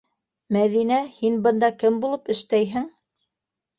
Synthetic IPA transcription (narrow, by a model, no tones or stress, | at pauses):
mæðinæhinbɤ̆nd̪ɑkɘmbulˠɤpɘ̆ʃt̪æjɦɘŋ